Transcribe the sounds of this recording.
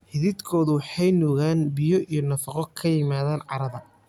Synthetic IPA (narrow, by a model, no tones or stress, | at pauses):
hɪðɪd̪kʰɔːðʊwɑħɑjnɔːɣaːnbɪjɔʔijɔnɐfɐqɔkʰɐjɪmaːðaːnʕɑɾɐðɐ